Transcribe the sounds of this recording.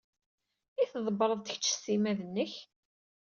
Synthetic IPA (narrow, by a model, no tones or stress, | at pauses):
iθðˤəbəɾˤəðˤt̪ə̥çt͡ʃːsimæðənːəç